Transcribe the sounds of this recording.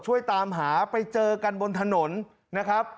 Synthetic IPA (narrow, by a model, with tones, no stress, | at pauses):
t͡ɕʰu˥˩əjt̪aː˧mɦaː˩˦pa˧jt͡ɕɤː˧ka˧nbo˧nt̪ʰa˧no˩˦n | na˦˥kʰɾa˦˥p̚